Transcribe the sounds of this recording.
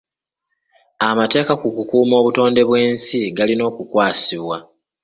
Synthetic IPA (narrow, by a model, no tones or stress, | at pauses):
amate̞ːkakukukuːmo̞ːβuto̞ːnde̞βwe̞ːnsiɡalino̞ːkukwaːsiβwa